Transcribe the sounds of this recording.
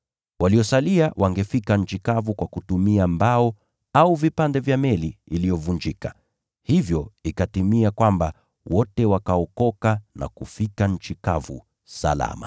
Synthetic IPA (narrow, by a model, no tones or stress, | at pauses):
waliɔsaliawʔaŋɡɛfikaɲ̩t͡ʃikavukwakutumiambaɔ | auvipandɛvjamɛliilijɔvund͡ʒika | hivjɔikatimiakwamba | wɔtɛwakaɔkɔkana̰kufikan̩t͡ʃikavṵ | sa̰la̰ma̰